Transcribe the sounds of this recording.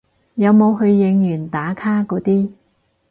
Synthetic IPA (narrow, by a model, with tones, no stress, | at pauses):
jɐ˨˧wmo˨˧wɦɵ˧ɥːɪ˨˧ŋjyː˨˩nt̪aː˨˥kʰaː˥kɔː˨˥t̪iː˥